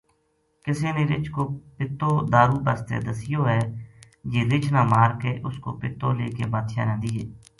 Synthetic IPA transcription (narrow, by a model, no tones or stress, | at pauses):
kɪseːneːɾɪ̰t͡ʃʰkoːpɪt̪ːoːd̪aːɾuːbəst̪ḛːd̪əsɪjoːɦɛː | d͡ʒeːɾɪt͡ʃʰnãːmaːɾkeːʔʊsko̰ːpɪt̪ːo̰ːleːkḛːbaːt̪ʃa̰ːnɛ̃ːd̪iːɦeː